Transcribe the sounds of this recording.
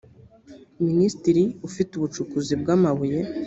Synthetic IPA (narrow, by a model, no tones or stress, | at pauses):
ministiɾiufituβut͡ʃukuzibɡamaβuje